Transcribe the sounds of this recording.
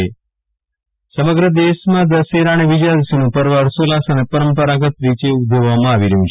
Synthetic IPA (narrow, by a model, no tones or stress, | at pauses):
e | səməɡɾəd̪eʃmãd̪əseɾaɽ̃eʋid͡ʒad̪sinũpəɾʋaɾsolasənepəɾəmpəɾaɡət̪ɾit͡ʃeud̪ʱoʋʋamãaʋiɾeɦũt͡ʃ